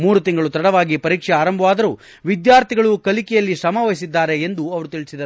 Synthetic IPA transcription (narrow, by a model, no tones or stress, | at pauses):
muːɾut̪iŋɡɐɭut̪ɐɽɐʋaːɡipɐɾiːkʂɛaːɾɐmbʱɐʋaːd̪ɐɾuː | ʋid̪jaːɾt̪ʰiɡɐɭukɐlikɛjɐlːisɐmaʋɐjisid̪ːaːɾe̞ːnd̪uɐʋɐɾut̪iɭisid̪ɐɾ